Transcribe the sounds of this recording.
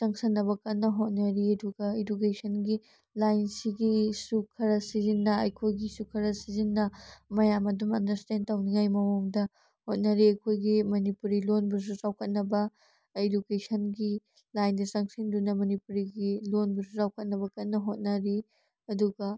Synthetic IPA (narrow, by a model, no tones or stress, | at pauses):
sɐŋsɐnːɐβɐkɐt̚nːɐɦot̚nɐɾiɐduɡɐedukesʰɐnɡi | lajnsiɡisukʰɐɾɐsizinːɐɐjkʰojɡisukʰɐɾɐsizinːɐmɐjamɐdumɐ̰ndɐɾstentawniŋajmɐwoŋdɐ | hot̚nɐɾiɐjkʰojɡimɐnipuɾilonbuɾs̬uzawkʰɐt̚nɐbɐ | edukesʰɐnɡi | lajndɐsɐŋsindunɐmɐnipuɾiɡilonbuɾs̬uzawkʰɐt̚nɐbɐkɐtnɐɦot̚nɐɾi | ɐduɡɐ